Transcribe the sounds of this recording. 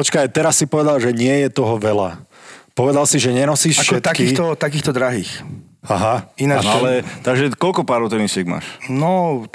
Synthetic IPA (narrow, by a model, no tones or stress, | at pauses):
pɔt͡ʃkajt̪ɛɾasːipɔʋɛd̪alʒɛɲɪɛjɛt̪ɔɦɔʋɛla̰pɔʋɛd̪alsiʒɛɲɛnɔsiːʃaʃɛt̪aiːxt̪ɔt̪akiːxt̪ɔd̪ɾaɦiːx | aɦainaalɛt̪aɡʒɛkɔlkɔpaːɾɔt̪ɔnisɪɛɡ̚ma̰ːʃnɔ